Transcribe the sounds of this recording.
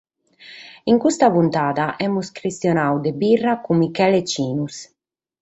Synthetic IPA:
iŋkust̪apunt̪aːd̪aʔɛmuskɾist̪jɔnawd̪ebirːakumikɛlet͡ʃiːnus

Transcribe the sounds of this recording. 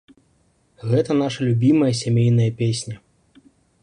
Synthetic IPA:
ɣɛt̪ɐn̪aʂɐlʲubʲimɐjɐs̬ʲamʲejn̪ɐjɐpʲesʲnʲɐ

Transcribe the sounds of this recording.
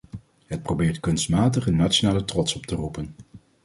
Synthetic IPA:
ɦət̚prowbɪːɹtkɵnstmaːtəχənːat͡ʃonaːlətrɔtsɔptərupən

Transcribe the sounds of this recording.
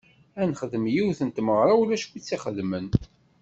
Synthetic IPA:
ænχəðəmjiwθənt̪məʁɾˤɑwlæʃkʷit͡sːiχəðmən

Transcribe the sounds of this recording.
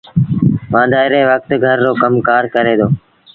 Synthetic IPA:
ʋãːd̪aːɪɾeːʋək̚t̪ɡʱəɾːoːkəmkaːɾkəɾeːd̪oː

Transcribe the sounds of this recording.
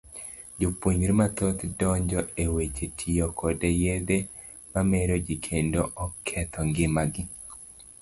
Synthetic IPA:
d͡ʒopoɲɾmat̪ot̪dɔɲd͡ʒɔewet͡ʃetʰijɔkʰɔdejed̪e | mamɛɾod͡ʒikʰendoʔɔkʰɛt̪ʰɔŋɡɪmaɡɪ

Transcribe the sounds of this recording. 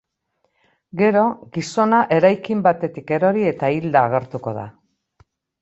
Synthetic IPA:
ɡe̞ɾo̞ɣiso̞naʔe̞ɾajkimbat̪e̞t̪ike̞ɾo̞ɾie̞t̪aild̪aːɣ̞e̞ɾt̪uko̞ð̞a̰

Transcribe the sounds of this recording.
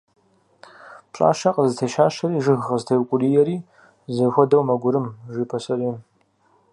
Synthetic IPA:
pɕʼa̰ːʃɐqʼəzɨtʰɐʃaːʃɐɾiːʒɨɣʁəzɨtʰɐjwkʷʼʊriːjɛɾiː | zɐxʷɔdɐwmɐɡʷʊɾɨmʒʷiːpʰɐsɐriːn

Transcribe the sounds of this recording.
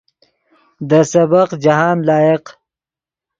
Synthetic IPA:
d̪əsɐbaqd͡ʒaɦɑːnlɑːjeq

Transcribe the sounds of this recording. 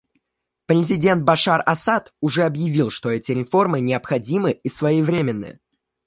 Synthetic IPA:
pɾʲɪzʲɪdʲe̞nt̪̚bɐʂarɐsat̪ʊʐɛɐbjɪvʲilˠʂt̪o̞ɛtʲɪɾʲɪfo̞rmɨnʲɪɐpxɐdʲimɨisvɐjejvɾʲemʲɪnːɨ̰

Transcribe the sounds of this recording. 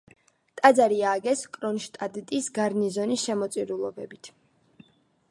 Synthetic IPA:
t̪ʼad̪zaɾiaːɡɛskʼɾɔnʃt̪ʼad̪t̪ʼisɡaɾnizɔnisʃɛmɔt̪sʼiɾulˠɔbɛbit̪ʰ

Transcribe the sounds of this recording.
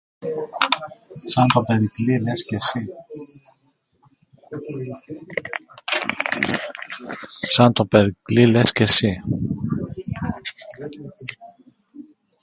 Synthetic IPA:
sɐnt̪opeɾiklilescesi | sɐnt̪opeɾiklilescesi

